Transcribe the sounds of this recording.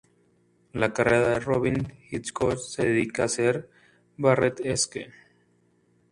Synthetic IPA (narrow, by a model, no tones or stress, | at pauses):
lakareðaðeroβiŋxiskot͡ʃseðeðikaːseɾ | baret̪eskḛ